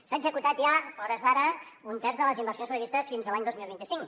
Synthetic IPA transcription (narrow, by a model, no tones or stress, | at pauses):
saəɡzəkut̪at̪ʒaɔɾəzðaɾə | unt̪ɛrzðələzimbəɾrsionspɾəβist̪əsfinzəlaɲd̪ozmilˠβint̪isiŋ